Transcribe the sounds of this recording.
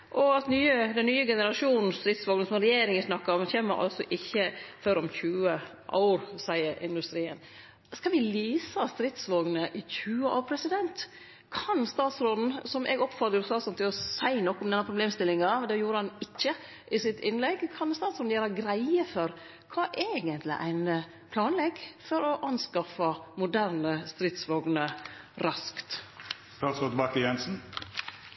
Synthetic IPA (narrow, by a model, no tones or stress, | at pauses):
ʔɔɑt̪nyːəd̪ɛnnyːəɡɛnəɾɑʂuːnn̩st̪ɾɪt̪sʋoːɡnəsɔmɾɛjeːɾɪŋəsnɑkːɑɔmçeːmːəɾʔɑ̰lsɔ̰ʔɪçːəføɾɔmçʉːə | ʔɑ̰ʊɾsæɪəɾʔɪ̰nd̪ʉst̪ɾiːə̰n | skɑʋɪliːsəɑst̪ɾɪt̪sʋoːɡnəʔɪçʉːəʔɑʋpʰɾɛsɪd̪ɛnt̪ | kʰɑnst̪ɑːt̪sɾoːd̪n̩sɔmʔɛ̰ːɡɔpːfɑt̪əɾɔst̪ɑːt̪sɔnt̪ʰɪlɔsæɪnɔkːɔmd̪ɛnːɑpʰɾʊbleːmst̪ɪlɪŋɑd̪ɛjuːɾəhɑnɪc͡çːə | ʔɪsɪt̪ʰɪnlɛɡkʰɑnst̪ɑːt̪sɾoːd̪̩jæːɾɑɡɾæɪəfɔɾ | kʰɑːʔeeːɡənt̪lɪ̰ʔæ̰ɪn | pʰlɑːnlɛɡfɔɾɔʔɑnskɑfɑmʊd̪æɾnəst̪ɾɪt̪sʋoːɡnəɾɑskt̪st̪ɑːt̪sɾod̪bɑkəjɛnsn̩